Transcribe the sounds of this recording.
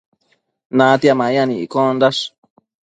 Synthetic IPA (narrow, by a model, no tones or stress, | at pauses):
nãt̪iamãɲãnĩikõnd̪aʂ